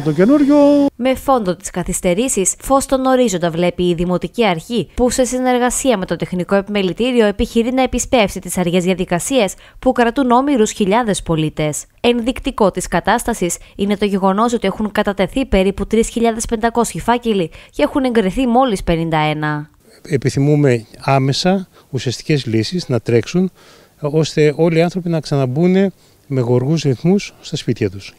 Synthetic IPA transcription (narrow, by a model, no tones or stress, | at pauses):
t̪ocenuɾʝome̞fo̞nd̪o̞t̪i̥skɐθist̪e̞ɾisisfo̞st̪ono̞ɾizo̞nd̪ɐvle̞piːðimo̞t̪iciɐɾçipuse̞sine̞ɾɣɐsiɐme̞t̪o̞t̪e̞xniko̞e̞pime̞lit̪iɾio̞epiçiɾinɐe̞pispe̞fsit̪isɐɾʝe̞zðiɐðikɐsiɐs | pukɾɐt̪uno̞miɾusçiʎɐðe̞spo̞lit̪e̞s | e̞nðikt̪iko̞t̪iskɐt̪ɐst̪ɐsisine̞t̪o̞ʝe̞ɣo̞no̞sot̪ie̞xuŋkɐt̪ɐt̪e̞θipe̞ɾiput̪ɾisçiʎɐðe̞spe̞nd̪ɐko̞sçifɐcelice̞xune̞ŋɡɾiθimo̞lispe̞nind̪ɐe̞nɐ | epiθimume̞ɐmesɐ | usiɐst̪i̥ce̞zlisiznɐt̪ɾe̞ksun | o̞st̪e̞o̞liɐnθɾo̞pinɐksɐnɐbune̞ | me̞ɣo̞ɾɣuzɾiθmusːt̪ɐspit̪çɐt̪us